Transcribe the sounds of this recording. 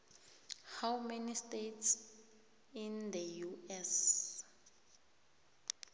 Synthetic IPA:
hawmenistets | ind̪əjuɛs

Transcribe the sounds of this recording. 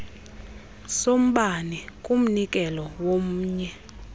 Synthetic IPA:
som̩ɓanikʼum̩nikʼɛlɔwom̩ːɲɛ

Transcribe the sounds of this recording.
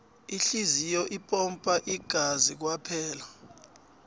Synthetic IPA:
iɬizijɔʔipʼɔmpʼaʔiɡ̥ʱazik̬wapʰɛːla

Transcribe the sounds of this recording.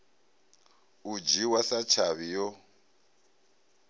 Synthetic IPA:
ud͡ʒiwasat͡ʃʰaβijɔ

